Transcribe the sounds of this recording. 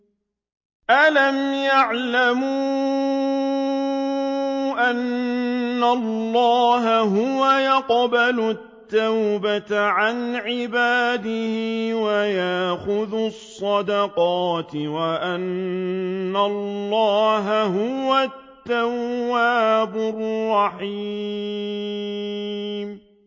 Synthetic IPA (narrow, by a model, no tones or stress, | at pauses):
ʔalamjaʕlamu | ʔanː | alːɑːɦaɦʊwajɑqbalʊt̪ːawbat̪ʕanʕɪbaːd̪ɪhɪɪwajaʔxʊðʊsˤːɑd̪ɑqɑːt̪ɪwaʔanː | alːɑːɦaɦʊwat̪ːawːaːbʊrːɑħi | m